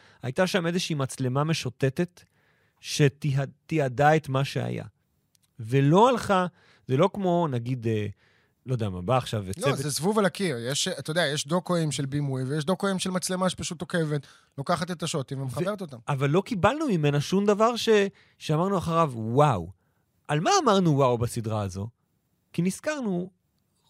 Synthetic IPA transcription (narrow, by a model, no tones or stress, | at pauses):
ajt̪aʃamezeʃiimat͡sle̞mame̞ʃote̞te̞t̪ | ʃetiat̪iadae̞t̪maʃḛa̰ja̰ | velo̞alχa | zelo̞kmo̞naɡid̪e | lo̞deamabaːχʃavelezesvuvalakiʁjeʃat̪ajdeajeʃd̪okoimʃelbimujvejeʃd̪okoimʃelmat͡slemaʃe̥paʃut̪oke̞vet̪ | lokaχat̪et̪aʃot̪imvemeχae̞ʁetot̪amavalːo̞kibalnumime̞naʃumd̪avaʁʃe | ʃeamaʁnuaχaʁavwaw | ʔalmaːmaʁnuwawbasid̪ʁaːzo̞̰ | kiniskaʁnu